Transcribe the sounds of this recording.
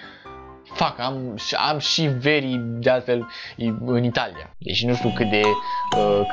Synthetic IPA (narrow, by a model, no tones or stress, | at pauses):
fakamʃa̰mʃive̞ɾid̪ealt̪fe̞l | ɨnit̪alia̰d̪ḛt͡ʃnuʃt̪ʲjukɨt̪̚d̪e̞ə